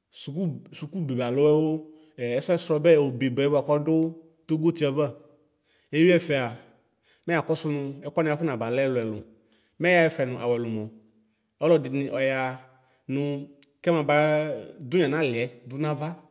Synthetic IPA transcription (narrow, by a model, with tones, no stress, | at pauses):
su˨ku˦su˨ku˦be˨ba˨lʊ˦ɛ˦wo˦˨ | ɛ˦sɔ˦ɛ˦sɾɔ˧bɛ˦˨o˨be˨bɛ˨˦ba˨kɔ˦dʊ˦ | t̪o˦ɡo˦ti˦ɛ˨ba˦˨ | e˦wi˦ɛ˦fɛ˨a˨ | mɛ˦˨a˨kɔ˦sʊ˦nʊ̃˧ɛ˦kɔ˦n˦a˨fʊ˦nã˨ba˨lɛ˦lʊ˨ɛ˨lʊ̰˨ | mɛ˦ja˦ɛ˦fɛ˨nʊ̃˨ʔa˨wɛ˨lʊ˨mɔ̃˨ | ɔ˦lɔ˦dɪ˨nɪ˨ʔɔ˨ja˧ | nʊ̃˧kɛ˦mã˨ba˨˦d̪ʊ˦ɲã˨nã˦lɪ˨ɛ˨d̪ʊ˦nã˦va˦